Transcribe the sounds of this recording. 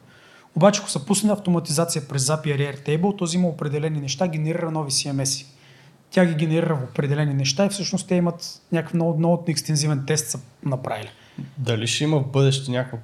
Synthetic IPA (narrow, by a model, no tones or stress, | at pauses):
obat͡ʃɛko̥sɐpusnənʲɐft̪omɐt̪izat̪sijəpɾɛzːapiɐɾiɛɾt̪ɛjbəlˠt̪ɔziiməopɾɛd̪ɛlɛninɛʃt̪aɡʲɛnɛɾiɾɐnɔvisiɛmɛsi̥ | t̪ʲaɡʲiɡʲɛnɛɾiɾəfopɾɛd̪ɛlɛninɛʃt̪aifsɤʃnost̪t̪ɛimɐt̪nʲakəfnnɔt̪ɛkst̪ɛnzivɛnt̪ɛst̪sɐnɐpɾʔa̰vili | d̪ɐliʃɛimɐvbɤd̪ɛʃt̪ɛnʲako